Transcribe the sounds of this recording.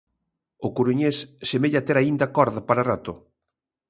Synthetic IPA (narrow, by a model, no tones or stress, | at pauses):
ʊkuɾuɲessemeʎat̪eɾaind̪akɔɾðapaɾarat̪ʊ